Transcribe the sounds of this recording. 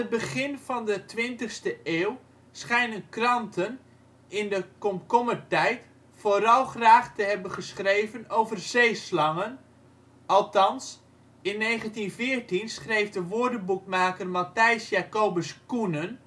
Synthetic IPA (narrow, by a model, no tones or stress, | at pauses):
ət̚bəɣɪnvɑndətʋɪntəχstəeːw | sχɛjnənkrɑntʰən | ɪndəkɔmkɔmətɛjt | foɾɑlˠχraːχtəɦɛbəχəsχrejvənowvərz̥ejslɑŋən | ʔɑlˠtɑns | ɪnːeːχəntinvɪːrtinsχrejfdəʋoːdəbukmaːkərmatɛjsjaːkoːbəskunən